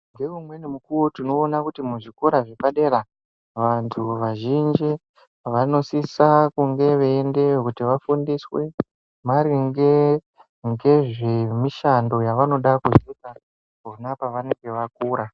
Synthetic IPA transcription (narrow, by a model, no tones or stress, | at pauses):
ŋɡe̞umwe̞nimukuwotino̞ːnakutimuʐiko̞ɾaʐepaɗe̞ɾa | ʋantʰuʋaʒind͡ʒi | ʋano̞sisakuŋɡe̞ʋeːnde̞wekutiʋafundiswe̞ | maɾiŋɡe | ŋɡe̞ʐemiʃando̞jaʋano̞ɗakuzeka | onapaʋaneɡeʋak̚uːɾa